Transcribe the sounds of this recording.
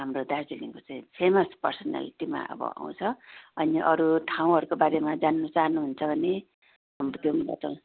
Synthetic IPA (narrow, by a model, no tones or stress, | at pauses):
ɦamrod̪asd͡ziliŋkot͡saĩpʰemʌspʌrsʌna̰liʈima̰ʔʌ̰bʌ̰a̰w̃t͡sʰʌʌniʔʌɾuʈʰaw̃ɦʌɾukobaɾemad͡zanːʌt͡saɦʌnːuɦunt͡sʰʌbʱʌne | ʌmt̪jomla̰t̪ʌ̃